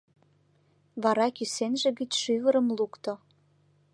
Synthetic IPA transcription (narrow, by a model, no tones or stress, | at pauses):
βɑɾɑkysenʒĕɣət͡ɕʃyvəɾəmlukt̪o